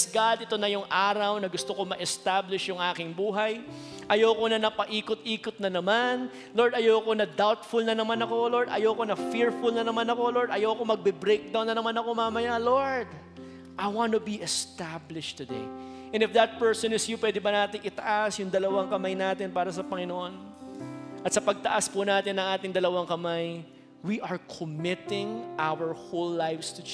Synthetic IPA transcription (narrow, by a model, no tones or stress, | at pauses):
sɡad̪ʔɪt̪o̞nɐjʊŋʔaːɾɐwnɐɡʊst̪okomɐʔɛst̪ablɪʃjʊŋʔaːkɪŋbuːɦɐj | ʔɐjowkonɐnɐpɐʔiːkʊt̪ʔiːkʊt̪̚nɐnɐman | loɹd̪ɐjawɐko̞nɐd̪awt̪fʊlnɐnɐmanɐko̞loɹd̪ɐ̰jowkonɐfɪɹfʊlnɐnɐmanɐko̞loɹd̪ɐjawɐkomɐɡ̚bɛbɾejk̚d̪ɐwnɐnɐmanɐko̞mamɐjaloɹd̪ | ʔɐjwant̪ʊbiʔɛst̪ablɪʃtt̪ːʊd̪ejʔɛnɪfd̪ɐt̪̚pɛɹsɔnɪsjupwɛd̪ɪbɐnaːt̪ɪŋʔɪt̪ɐʔasjʊŋd̪ɐlɐwaŋkɐmajnaːt̪ɪnpaːɾɐs̬ɐpɐŋɪnoʔo̞n | ʔɐt̪sɐpɐɡ̚t̪ɐʔaspʊnaːt̪ɪnɐŋʔaːt̪ɪŋd̪ɐlɐwaŋkɐmaj | wiʔɐɹkʰomɪt̪ɪ̃ŋʔawəɹholːajvst̪ʊ